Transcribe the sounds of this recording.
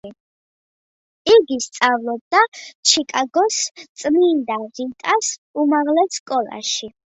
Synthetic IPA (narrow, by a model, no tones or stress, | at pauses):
iɡist̪sʼavlˠɔb̚d̪at͡ʃʰikʼaɡɔst̪sʼmind̪aʁit̪ʼasumaʁlɛsːkʼɔlˠa̰ʃi